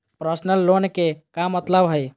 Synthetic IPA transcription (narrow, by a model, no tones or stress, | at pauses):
pɾəsnəlːonkekamːət̪ləbɦəj